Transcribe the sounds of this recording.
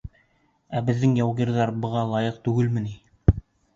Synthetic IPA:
æbɘ̆ðːɘŋjɑwʁiɾðɑɾbɤ̆ʁɑlˠɑjɤqt̪ʉɡɘlmɘ̆ni

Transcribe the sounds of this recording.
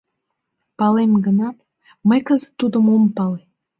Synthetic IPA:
pɑlemɡənɑt̪ | məjkəzə̥t̪ːud̪əmompɑle

